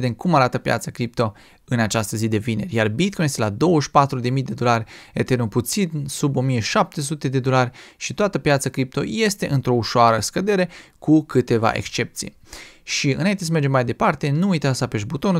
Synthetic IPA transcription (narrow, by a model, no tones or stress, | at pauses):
d̪e̞mkumaɾat̪əpja̰t̪sakɾip̚t̪o | ɨnat͡ʃast̪əzid̪e̞vine̞̰rʲjarbit̪̚konjest̪elad̪o̞wəʃpat̪ɾud̪e̞mijd̪e̞d̪o̞larʲet̪e̞rnuput̪sinsubo̞mije̞ʃap̚t̪e̞s̬ut̪e̞d̪e̞d̪olarʲʃit̪oat̪əpjat̪sakɾip̚t̪o̞̰je̞st̪e̞ʔɨnt̪ɾo̞uʃoaɾəskəd̪e̞ɾe̞kukɨt̪e̞va̰ʔe̞̰kst͡ʃe̞p̚t̪sḭj | ʃiɨnaint̪es̬əme̞rd͡ʒe̞mːajd̪e̞part̪e̞nuujt̪asape̞ʒbut̪o̞n